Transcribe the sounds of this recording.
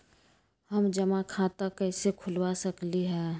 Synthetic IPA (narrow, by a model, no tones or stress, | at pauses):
hɐmd͡ʒɐmakʰaːt̪akɛɪsekʰʊlwasɐkliɦɛː